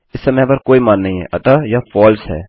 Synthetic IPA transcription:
ɪsːɐmɛ̃pɐɾkoːimaːnːɐɦĩɦɛ̰ːʔɐt̪ajafɔːlsɦɛ̰ː

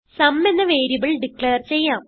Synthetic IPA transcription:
sɐmːe̞nːɐʋe̞ːɾibiɭɖikɭeːrt͡ɕe̞jːaːm

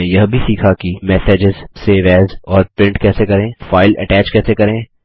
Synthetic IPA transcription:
ejɐɦbʱisiːkʰakimɛːseːd͡ʒɪzseːʋɛːzɔːɾpɾɪ̃ɳʈkɛːsekɐɾẽːfaːɪlɛ̰ʈɛːt͡ʃkɛːsekɐɾẽː

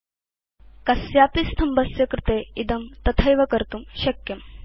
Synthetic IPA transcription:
kɐsjaːpist̪ʰɐmbɐsjɐkɾɪt̪eid̪ɐmt̪ɐt̪ʰɐjʋɐkɐɾt̪umɕɐkjɐm

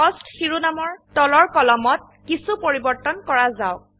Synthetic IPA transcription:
ɔstxiɹunamɔɹtɔlɔɹkɔlɔmɔt̚kisupoɹibɔɹtɔnkɔɹazaʊ

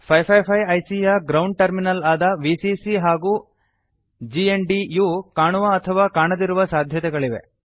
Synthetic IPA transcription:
pʰɐjpʰɐjpʰɐjɐjsijɐɡɾɐwɳɖ̚ʈɐɾminɐlaːd̪ɐʋisisiɦaːɡuː | d͡ʒiːenɖijukaːɳuʋɐːt̪ʰɐʋaːkaːɳɐd̪iɾuʋɐsaːd̪ʱjɐt̪ɛɡɐɭiʋe̞̰

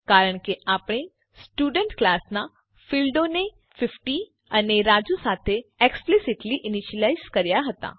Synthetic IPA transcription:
kaːɾəɽ̃keʔaːpɽ̃e | sʈuːɖə̃ɳʈklaːsna | fɪlɖoːne | fʰɪfʈi | ɐneɾaːd͡ʒusaːt̪ʰeeːksplɪsɪʈliʔɪnɪʃəlaːɪzkɐɾjaɦɐt̪a̰ː

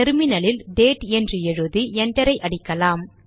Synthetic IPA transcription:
ɛɾmɪnɐlɪlɖeːʈɛndrɯɛɻɯðɯɛɳɖɐɾɐɪʔɐɽɪkːɐlaːm

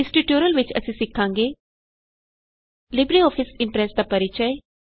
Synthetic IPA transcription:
ɪsʈiʈjoːɾəlʋɪt͡ʃə̰sĩsɪkʰːãːŋɡeː | lɪbɾiɔːpʰɪsɪ̃mpɾɛːsd̪apəɾɪt͡ʃəe

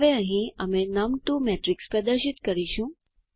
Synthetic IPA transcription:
ʋeə̃ɦĩəmenəmʈumeʈɾikspɾəd̪əɾʃɪt̪kəɾiʃũ

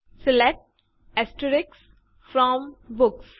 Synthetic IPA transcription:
sɪlek̚ʈ | ɛsʈəɾɪks | fɾɔ̃mbʊks

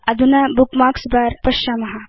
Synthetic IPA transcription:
ɐd̪ʱunabukmaːksbaːɾpɐʃaːmɐɦa

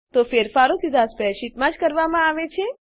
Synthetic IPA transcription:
t̪ofeɾfaɾok̪id̪ʱaspɛʃit̪mãd͡ʒkəɾʋamãaʋet͡ʃʰe

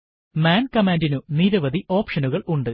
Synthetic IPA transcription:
maːnkɐmaːndinuniɾɐʋɐd̪iʔo̞ːpʂɐnuɣɐɭuɳɖɨ

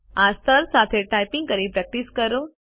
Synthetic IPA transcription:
ast̪ʰəɾsat̪ʰeʈajpĩŋɡ̚kəɾipɾɛk̚ʈiskəɾo

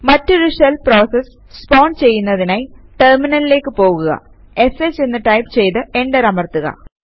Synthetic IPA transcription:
mɐtːoɾuʂelpro̞ːses | spoːɳɖt͡ɕe̞jːunːɐðinaːjiʈerminɐlile̞ːkːɨpo̞ːɣuɣɐ̰ | e̞set͡ɕːe̞nːɨʈɐjpt͡ɕe̞jt̪ɨe̞ɳɖɐɾɐmɐrt̪uɣɐ̰

